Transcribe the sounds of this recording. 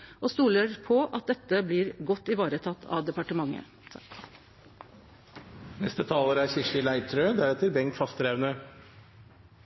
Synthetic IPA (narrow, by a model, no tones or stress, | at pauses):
ʔoːst̪uːləɾpʰɔʔɑt̪̚d̪ɛt̪ːəbliːɾɡɔt̪ːɪʋɑːɾət̪ʰɑt̪ʰːɑ̰ʋd̪ɛpɑʈəmɑŋːə̰ | nɛst̪ət̪ʰɑːləɾæɾçɪʂɪlæɪt̪ʰɾøːd̪æɾɛt̪əɾbɛŋk̪fɑst̪ɾeʋnə